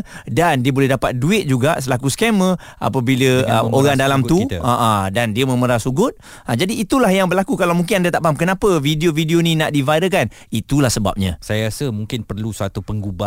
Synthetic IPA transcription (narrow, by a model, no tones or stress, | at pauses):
dandiəbolɛhdapat̪̚duɪt̪̚d͡ʒuɡasəlakuskɛmə | ʔa̰pəbiləə̰oɾaŋdalamt̪ut̪aʔadandiəmə̃məɾasuɡʊt̪̚ | ad͡ʒadiːt̪ulahjaŋbərlakukalawmũŋk̬ɪnandat̪aʔpaɦamkənãpəvidiovidionĩnaʔdivaɾəkan | it̪ulahsəba̰p̚ɲã̰sajaɾasəmuŋkɪnpərlusəat̪upəŋɡubaʔ